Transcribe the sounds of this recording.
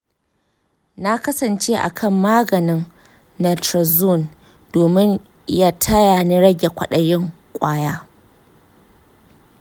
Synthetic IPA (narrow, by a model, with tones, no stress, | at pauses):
na˦kɐ˦sɐ˨nt͡ʃeː˦ʔa̰˨kʰɐ˦˨mːaː˦ɡɐ˨nɪ˦ŋ | nɐ˨tɾɐ˨zo˦˨n | doː˨mɪ˦ɲ | ja˦tʰɐ˦ja˨ni˦ɽɐ˦ɡʲe˨kʷɐ˦ɗɐ˨jɪ˦ŋ | kʷʼaː˦jaː˦